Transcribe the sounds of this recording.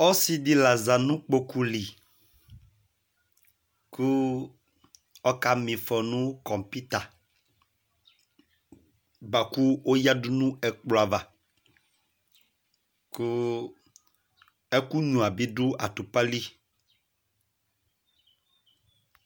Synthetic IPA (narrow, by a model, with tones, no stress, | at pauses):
ɔ˦si˦di˦la˨za˨nũ˦k͡po˦ku˦li˨ | ku˦ | ɔ˦ka˨mĩ˨fɔ˨nũ˦kɔ˨mpi˦t̪a˨ | ba˨ku˦o˦ja˦du˦nũ˦ɛ˨k͡plɔ˨a˨va˨ | ku˦ | ɛ˦ku˦ɲũ˨a˨bi˦du˦ʔa˨tu˨pa˦li˦